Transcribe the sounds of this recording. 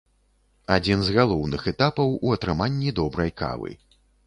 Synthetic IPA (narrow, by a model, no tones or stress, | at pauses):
ad͡zʲinzɣalˠɔwnɨxɛt̪apɐwuɐt̪ɾɨmanʲːid̪ɔbɾɐjka̰vɨ̰